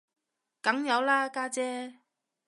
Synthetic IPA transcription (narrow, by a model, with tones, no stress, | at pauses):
kɐ˨˥ŋjɐ˨˧wlaː˥kaː˥t͡sɛː˥